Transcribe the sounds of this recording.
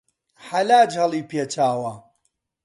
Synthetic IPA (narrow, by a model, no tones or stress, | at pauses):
ħalaːd͡ʒɦɐlˠiːpjet͡ʃaːwɐ